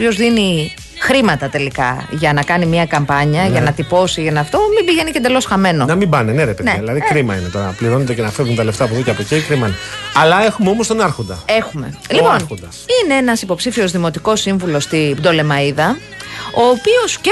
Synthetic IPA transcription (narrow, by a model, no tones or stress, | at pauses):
io̞zðini | xɾimɐt̪ɐt̪e̞likɐ̰ʝɐnɐkɐnimiɐkɐmpɐɲɐʝɐnɐt̪ipo̞sienɐft̪o̞mimbiʝe̞niced̪elo̞sxɐme̞no̞nɐmimbɐneneɾepeneðilɐðikɾimɐinet̪oɾɐpliɾo̞nond̪ecenɐfevunt̪ɐle̞ft̪ɐpuviceɐpocikɾimɐneɐlɐe̞xumeomost̪o̞nɐɾxond̪ɐ̰e̞xume̞̰lipo̞nod̪ɐ | ineenɐsipo̞psifio̞zðimo̞t̪iko̞siɱvulo̞st̪ibd̪o̞le̞mɐiðɐ | o̞ːpio̞sce